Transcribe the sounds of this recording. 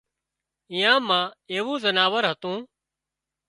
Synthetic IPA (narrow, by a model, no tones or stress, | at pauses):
ɪ̃jãːmãːeːʋũːzənaːʋəɾɦət̪ũː